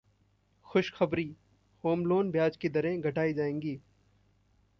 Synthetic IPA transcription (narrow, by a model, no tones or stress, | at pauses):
xʊʃxɐbɾiː | hoːmloːnbjaːd͡ʒkid̪ɐɾẽɡʱɐʈaːid͡ʒaːẽːŋɡiː